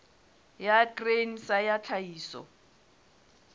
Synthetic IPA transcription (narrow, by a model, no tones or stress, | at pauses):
jaɡren̩sajat͡ɬʰaiːsɔ̰